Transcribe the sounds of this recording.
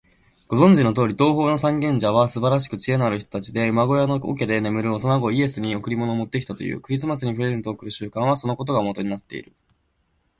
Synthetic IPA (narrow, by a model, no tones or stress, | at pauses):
ɡ̥o̞zõ̞ɲ̟d͡ʑino̞t̪̬o̞ːɾʲit̪o̞ːɦo̞ːno̞sãŋɡẽ̞ɲ̟d͡ʑaβ̞asɨbaɾaɕ̬i̥kɯ̟t͡ɕie̞naɾɯ̟ç̬t̪o̞t̪at͡ɕid̪e̞ɯ̟maɡo̞janoo̰kʲed̪e̞ne̞mɯ̟ɾɯ̟ot̪o̞naɡo̞ie̞sɨɲ̟io̞kɯ̟ɾʲimono̞ːmo̞t̪ːeki̥t̪at̪o̞jɯ̰ːkɯ̟ɾʲis̬ɨmasɨɲ̟ipɯ̟ɾe̞zẽ̞nt̪oːkɯ̟ɾɯ̟ɕɨːkãɰ̃aso̞noko̞t̪̬o̞ɡamo̞t̪o̞ɲ̟inat̪ːe̞̰ḭɾɯ̟